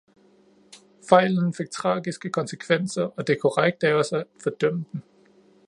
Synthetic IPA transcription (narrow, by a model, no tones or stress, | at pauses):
fɑ̈ɪ̰ln̩fe̝ɡ̥̚t͡sʰʁɑ̰̈ːɡ̥isɡ̥əkʰɒ̽nsəkʰʋen̰sɐʔɒ̽d̥e̝kʰɔʁaɡ̥̚d̥æɒ̽sæfɒd̥œm̰əd̥n̩